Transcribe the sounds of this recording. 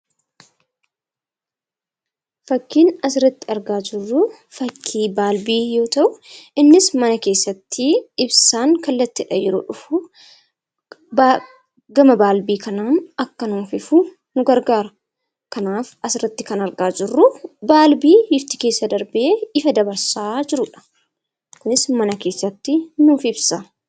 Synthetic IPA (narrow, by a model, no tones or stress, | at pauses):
fɐkːiːnɐsɪɾɐt̪ːɪɐɾɡaːd͡ʒɪrːʊ | fɐkʰːiːbaːlbiːjo̞ːt̪ɐʔʊɪnːɪsmɐnɐke̞ːsːɐt̪ʰːɪɪbsaːŋkɐlːɐt̪ːɪᶑɐjɛɾoːᶑʊfʊ | ɡɐmɐbaːlbiːkɐnaːnɐkːɐnuːfɪfʊ | nʊɡɐɾɡaːɾɐ | kɐnaːfɐsɪrːɐt̪ːɪkɐnɐɾɡaːd͡ʒɪrːʊbaːlbiːɪft̪ɪke̞ːsːɐd̪ɐɾbʔeːɪfɐd̪ɐbɐɾsaːd͡ʒɪɾʊᶑɐ̥ | kʊnɪsmɐnɐke̞ːsːɐt̪ːɪnuːfɪbsa